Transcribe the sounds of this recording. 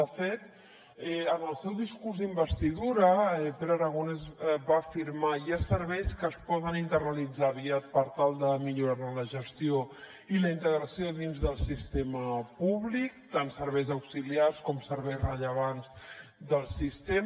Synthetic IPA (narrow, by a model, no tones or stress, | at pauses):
əfet̪ | ɛənəlˠsɛwðiskuɾzðimbəst̪iðuɾəɛpeɾaɾəɣonezβaːfiɾmajasəɾβɛjskəːspɔðənint̪ərnəlid͡zaβiat̪̚pəɾt̪alˠd̪əmiʎuɾaɾnələʒəst̪io | iləint̪əɣɾəsioðinzðəlˠsist̪eməpuβlik̚t̪ansəɾβɛjzəwksiliarskɔmsəɾβɛjzrəʎəβ̞anzd̪əlˠsist̪em